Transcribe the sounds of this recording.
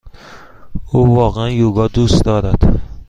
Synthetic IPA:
ʊvɒqanjoɡɒd̪ʊst̪d̪ɒɾad̪̥ɪ

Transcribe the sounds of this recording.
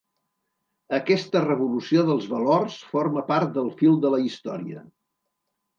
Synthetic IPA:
əkɛst̪ərəβulusioðəlˠzβəlorsfoɾməpaɾt̪̚d̪əlˠfilˠd̪ələist̪ɔɾiə̰

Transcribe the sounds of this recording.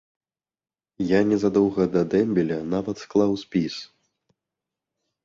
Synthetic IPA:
janʲɛzad̪ɔwɣɐd̪ɐd̪ɛmʲbʲɛlʲɐnavɐt̪sklˠawsʲpʲis

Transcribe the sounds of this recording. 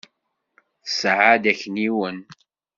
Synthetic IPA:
θsʕad̪æçəniwən

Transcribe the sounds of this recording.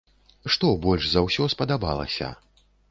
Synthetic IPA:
ʂt̪ɔbɔlʲʐzɐwsʲɔspɐd̪aba̰lˠɐ̰sʲɐ̰

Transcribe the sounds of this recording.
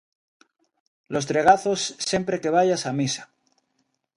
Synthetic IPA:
lo̞st̪ɾe̞ɣaθo̞sːje̞mpɾe̞ke̞β̞aʝasamisḁ

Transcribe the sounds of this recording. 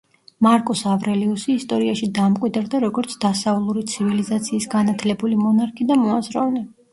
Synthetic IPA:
maɾkʼɔsavɾɛliusiːst̪ʼɔɾiaʃid̪amkʼwid̪ɾd̪aɾɔɡɔɾt̪sʰd̪̥asaulˠuɾit̪sʰivilizat̪sʰiːsɡanat̪ʰlɛbulimɔnaɾkʰid̪amɔazɾɔ̰vlɛ

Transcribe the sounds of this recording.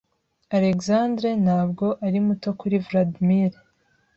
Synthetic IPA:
aɾe̞kzandɾenhaːbɡo̞ʔaɾimuto̞kuɾivladmiɾe

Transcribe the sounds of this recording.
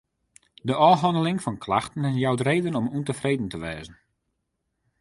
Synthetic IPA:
dəʔɔːɦɔndəlɪŋfɔnkʰla̰xtən̩ɛnjawdəreːdənɔmuntəfrejdən̩təʋɛːzən̩

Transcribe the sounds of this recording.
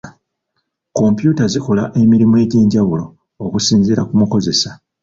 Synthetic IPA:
ko̞mpjuːtazikolaʔe̞miɾimue̞ːɟeːɲɟaβulo̞ː | kusiːnziɾakumuko̞ze̞sa

